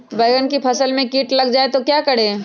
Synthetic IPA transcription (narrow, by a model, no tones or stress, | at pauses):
ʋɐɪɡənkipʰɐsəlmẽkiːʈlɐɡd͡ʒaːet̪okjaːkɐɽeː